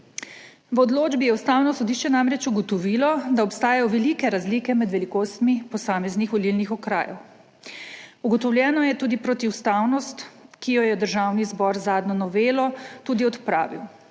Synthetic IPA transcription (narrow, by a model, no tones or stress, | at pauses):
ʋɔd̪loːd͡ʒbijɛwst̪aːwnɔsɔd̪iːʃt͡ʃɛnamɾɛt͡ʃuɡɔt̪ɔʋiːlɔd̪aɔpst̪aːjajɔʋɛlikɛɾazliːkɛmɛd̪ʋɛlikoːst̪mipɔsaːmɛznixʋɔlilnixɔkɾa̰ːjɛ̰w | uɡɔt̪ɔwlʲjɛːnɔjɛt̪uːd̪ipɾɔt̪iust̪awnɔst̪kijɔjɛd̪əɾʒawnizbɔɾzaːd̪nɔnɔʋeːlɔt̪uːd̪iɔt̪pɾa̰ːʋḭw